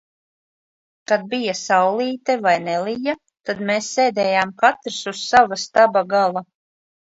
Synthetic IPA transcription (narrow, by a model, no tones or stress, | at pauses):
kad̪̚bijasawlˠiːt̪ɛvajnɛlˠija | t̪ad̪meːsːeːd̪ɛːjaːmkat̪ɾsussavast̪abaɡalˠa